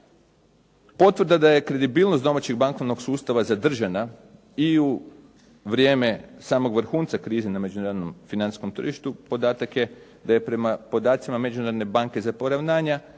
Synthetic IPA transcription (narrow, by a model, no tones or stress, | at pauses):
po̞t̪ʋr̩d̪ad̪aje̞kɾe̞d̪ibiːlˠnost̪d̪o̞mat͡ɕeɡbaŋko̞ʋno̞ɡsuːst̪aʋazad̪r̩ʒana | iu | ʋɾje̞ːme̞saːmo̞ɡʋr̩xuːnt̪sakɾiːzename̞d͡ʒunaːɾod̪no̞mfinant̪i̥sko̞mt̪r̩ʒiʃt̪upo̞d̪aːt̪akje̞ | d̪aje̞pɾe̞mapo̞d̪aːt̪simame̞d͡ʒunad̪ne̞baŋke̞zapo̞ɾaʋnaːɲa